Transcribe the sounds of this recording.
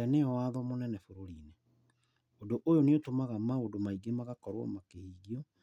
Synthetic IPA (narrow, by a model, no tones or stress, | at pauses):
aneɔwaðɔmonɛnɛfoɾoɾiːne | odoʔojoneotomaɣamaodomaiɡemaɣakɔɾwɔ̰makehiːɣiɔ